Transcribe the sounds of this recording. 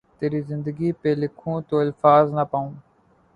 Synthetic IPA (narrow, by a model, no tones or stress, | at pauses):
t̪eːɾiːzɪ̃nd̪əɡiːpeːlɪkʰũːt̪oːɪlfaːznəpaːũː